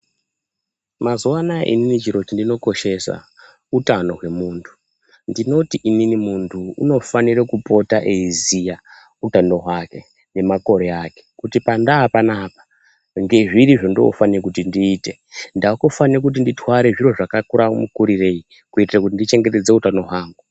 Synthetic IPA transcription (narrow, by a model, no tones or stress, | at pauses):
mazuwanaʔḭninit͡ʃiɾo̞t͡ʃindino̞ko̞ʃe̞sa̰ | utano̞ɦwe̞muːntʰu̥ | ndino̞tiʔininimuntʰuṵno̞faniɾekupo̞taʔeizija | utando̞ɦwake̞ | ne̞mako̞ɾe̞aːke̞̥kutipandaːpanaːpḁ | ŋɡe̞ʐiɾiʐo̞ndo̰o̰fanikutindiːte̞ | ndakofanirak̬ut̬inditwaɾe̞ʐiro̞ʐakakuɾamukuɾire̞i | kuitirakutindit͡ʃe̞ŋɡe̞te̞d͡ze̞utano̞ɦwaːŋɡu